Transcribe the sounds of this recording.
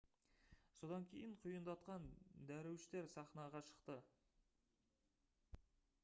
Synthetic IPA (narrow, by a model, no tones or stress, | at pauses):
so̞d̪ɑŋkʲʰe̞jɪɴqʰʊjənd̪ɑt̪qɑnd̪æɾewʃɪt̪e̞ɾsɑχnɑʁɑʃə̥qt̪ə